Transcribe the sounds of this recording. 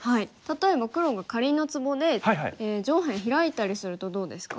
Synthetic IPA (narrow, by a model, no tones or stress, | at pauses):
hait̪at̪o̞e̞bakɯ̟ɾo̞ɡakaɾʲinːo̞t͡sɨbo̞d̪e̞hajɦa̰ied͡ʑo̞ːɦẽɰ̃çiɾait̪aɾʲisɨɾɯ̟t̪o̞d̪o̞ːd̪e̞sɨ̥ka